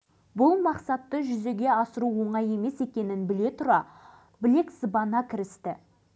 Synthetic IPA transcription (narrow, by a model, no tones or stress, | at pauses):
bʊlˠmɑqsɑt̪ːəʒʏze̞ɡʲe̞ɑsəɾuwo̞ɴɑje̞me̞se̞kʲe̞nɪnbɪle̞t̪ʰʊɾɑ | bɪle̞ksəbɑnɑkʲʰɪɾɪst̪ɪ